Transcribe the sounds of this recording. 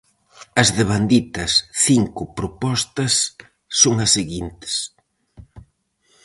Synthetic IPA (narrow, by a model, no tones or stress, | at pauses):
ɐzðeβ̞and̪it̪ɐsθiŋkʊpɾopɔst̪ɐsː | oŋɐseɣint̪ɪ̥s